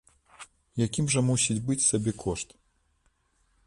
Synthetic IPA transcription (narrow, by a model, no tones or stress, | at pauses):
jakʲimʐɐmusʲit͡sʲbɨt͡sʲsabʲɛkʰɔʂt̪